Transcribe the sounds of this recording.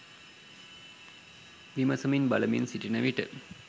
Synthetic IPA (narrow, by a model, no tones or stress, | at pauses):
ʋimɐsɐminbɐlɐminsiʈinɐʋiʈə̰